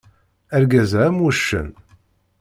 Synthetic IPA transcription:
æɾɡæzæmːuʃːə̰n

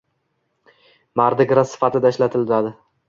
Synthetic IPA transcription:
maɾd̪ɪɡʲɾasɪ̥fat̪ʰɪd̪aɪʃlat̪ʰɪld̪ad̪ɪ

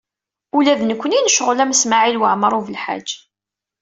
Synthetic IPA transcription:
ulæðnəkʷːəninəʃəʁlæmsmaʕilwəʕməɾˤuvəlħa̰d͡ʒː

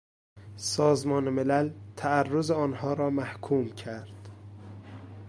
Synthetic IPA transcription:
sɒːzmɒːnemelælt̪ʰæærːozeɒːnhɒːɾɒːmæhkʰuːmcʰæɾd̪̥

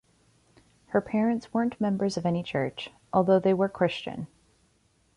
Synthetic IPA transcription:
hə˞pʰɛɹɨ̃ntswɜ̃˞nʔmɛ̃mbə˞zʌvɛñit͡ʃʰɜ˞t͡ʃ | ʔɔlˠðoʊðeɪwə˞kʰɹ̥ɪst͡ʃɨ̰̃n

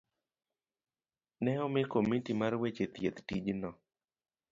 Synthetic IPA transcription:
nɛɔmɪkomitimarwet͡ʃet̪jet̪tid͡ʒnɔ

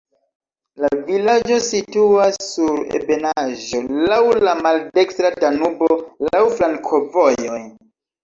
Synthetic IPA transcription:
lavilad͡ʒo̞situasːuɾḛbe̞naʒo̞lawlamalde̞kstɾadanubolawflaŋkʰo̞vojo̞j

